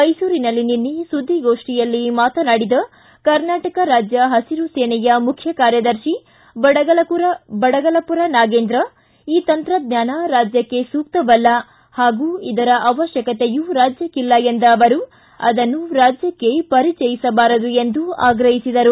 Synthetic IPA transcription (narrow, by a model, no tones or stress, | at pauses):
mɐjsuːɾinɐlːininːisud̪ʱːiɡo̞ːʂʈijɐlːimaːt̪ɐnaːɽid̪ɐ | kɐɾnaːʈɐkɐɾaːd͡ʒjɐɦɐsiɾuseːɳɛjɐmukʰjɐkaːɾjɐd̪ɐɾʃi | bɐɽɐɐlɐpuɾbɐɽɐɡɐlɐpuɾɐnaːɡe̞ːnd̪ɾɐ | iːt̪ɐnt̪ɾɐd̪̚ɲjaːnaɾaːd͡ʒjɐkːe̞suːk̚t̪ɐbɐlːɐ | haːɡuːid̪ɐɾɐʔɐʋɐʃjɐkɐt̪ejuɾaːd͡ʒjɐkilːɐjend̪ɐːʋɐɾu | ɐ̰d̪ɐnːuɾaːd͡ʒjɐkːe̞pɐɾit͡ʃɛjisɐbaːɾɐd̪ue̞nd̪ua̰ːɡɾɐɦisid̪ɐɾu